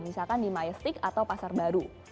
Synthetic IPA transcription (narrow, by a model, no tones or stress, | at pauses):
misalkandimajəst̪ɪkat̪awpasarbaɾu